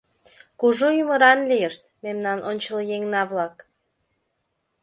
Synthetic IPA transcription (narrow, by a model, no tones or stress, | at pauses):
kuʒojuməɾɑnlijəʃt̪̚memnɑnʔonʲt͡ɕələjeŋnɑβlɑk